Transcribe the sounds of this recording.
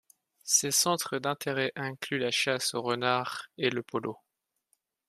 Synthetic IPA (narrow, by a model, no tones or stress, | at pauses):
sesɑ̃t̪χəd̪ɛ̃t̪ʰeʁɛʔɛ̃klylaʃasoʁənaʁeləpɔlo